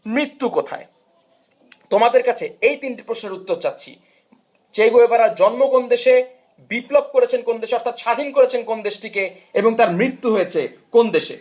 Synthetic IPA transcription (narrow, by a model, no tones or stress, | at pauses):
mɾit̪ːukot̪ʰa̰e | t̪omad̪eɾkat͡ɕʰeejt̪inʈi̥pɾoʃneɾut̪ːoɾt͡ɕat̪ːɕʰḭ | t͡ɕejɡoebaɾad͡ʑɔnmokond̪eʃe | biplob̚koɾet͡ɕʰenkond̪eʃeɔɾt̪ʰat̪ʃad̪ʱinkoɾet͡ɕʰenkond̪eʃʈike | eboŋt̪aɾmɾit̪ːuɦojet͡ɕʰe | kond̪eʃḛ